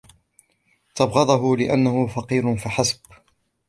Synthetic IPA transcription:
t̪ɑbɣɑðˤɑɦʊlɪʔanːahʊfɑqiːɾʊnfaħasb̥

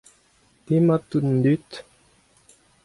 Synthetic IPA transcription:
t̪imat̪un̩d̪yt̪

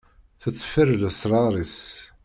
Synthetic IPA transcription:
θət͡sːfəɾləsɾˤɑɾˤis

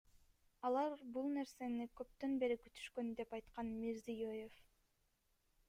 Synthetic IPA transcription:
ɑlˠɑɾbulˠne̞ɾse̞nikø̞p̚t̪ø̞nbe̞ɾikyt̪ʰy̥ʃkø̞nd̪e̞pɑjt̪qɑnmiɾzijøje̞f

